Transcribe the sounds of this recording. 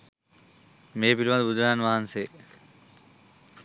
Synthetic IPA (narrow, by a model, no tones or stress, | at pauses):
meːpiɾimad̪bud̪ʱɾaːnʋaɦanse